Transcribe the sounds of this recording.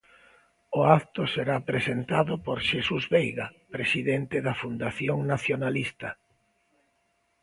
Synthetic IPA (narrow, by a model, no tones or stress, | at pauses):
ʊakt̪ʊseɾapɾesent̪aðʊpoɾʃesuzβejɣapɾesiðent̪eðɐfund̪aθjoŋnaθjonalist̪ɐ